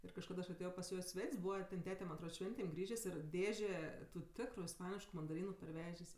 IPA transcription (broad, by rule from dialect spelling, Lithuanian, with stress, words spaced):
ɪr kɐʃˈkɐt ɐʃ ɐˈtʲeːjoː pɐs ˈjoː ɪ ˈsʲʋʲɛtʲsʲ ˈbuːʋɐ tʲɛn ˈtʲæːtʲɛ mɐn ɐtˈroːt ˈʃʲʋʲɛnʲtʲeːm ˈɡrʲiːʒʲeːsʲ ɪr ˈdʲeːʒʲeː tʊ ˈtʲɪkrʊ ɪsˈpɑːnʲɪʃkʊ mɐndɐˈrʲiːnʊ pɐrʲˈʋʲæːʒʲeːsʲ